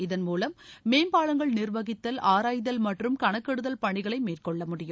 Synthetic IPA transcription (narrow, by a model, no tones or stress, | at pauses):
ɪðɐnmuːlɐmːeːmbaːlɐŋɡɐɭnɪrʋɐɣɪt̪ːɐlaːɾaːjðɐlmɐʈrɯmkɐɳɐkːɐɽɯðɐlpɐɳɪɣɐɭɐɪmeːrkɔɭːɐmʊɽɪjɯ